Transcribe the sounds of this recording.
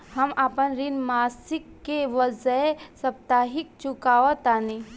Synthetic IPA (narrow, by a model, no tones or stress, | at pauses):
hɐmaːpənɾinmaːsɪkːeʋəzəsɐp̚t̪aːɦik̚t͡ʃukaːʋət̪ani